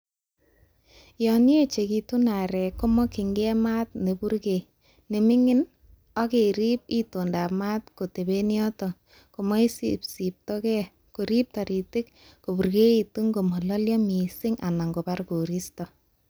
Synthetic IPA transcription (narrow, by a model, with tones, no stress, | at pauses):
jɔni˦e˦t͡ʃe˨ki˨tu˦na˨ɾɛ˨ko˦mɔ˦ki˨ŋɡɛ˦ma˦t̚ne˨bu˦rke˨ | ne˨mɪ˦ŋɪ˦n | ɔ˦ke˨ɾi˦p̚i˦to˨nda˨pma˦t̚ko˨te˨be˦njɔ˦tɔ˨ | ko˨mɔ˦i˦sipsi˨p̚tɔ˦kɛ˦ | ku˨ɾi˦p̚tɔ˨ɾi˨tɪ˦k | ko˨bu˨ɾke˦i˨tu˦ŋɡo˨mɔ˨lɔ˦ljɔ˦mi˨sɪ˦ŋa˨na˨ŋɡo˨pa˦ɾku˨ɾi˦stɔ˨